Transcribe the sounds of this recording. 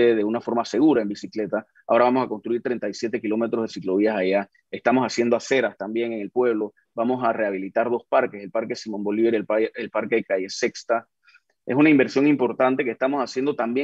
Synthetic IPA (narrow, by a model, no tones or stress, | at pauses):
eðe̞unafo̞ɾmase̞ɣuɾae̞mbisikle̞t̪a | ao̞ɾaβamo̞sako̞nst̪ɾuiɾt̪ɾe̞nt̪ajsje̞t̪e̞kilo̞me̞t̪ɾo̞zðesiklo̞βiasaʝa | e̞st̪amo̞sasje̞nd̪oase̞ɾast̪ambje̞ŋe̞ŋe̞lpwe̞β̞lo̞ | bamo̞sare̞aβilit̪aɾðo̞spaɾke̞se̞lpaɾke̞simo̞mbo̞liβeɾelpaɾkeekaje̞sekst̪a | e̞sunaimbe̞ɾsjo̞ŋimpo̞ɾt̪ant̪e̞kehst̪amo̞sasje̞nd̪o̞t̪ambje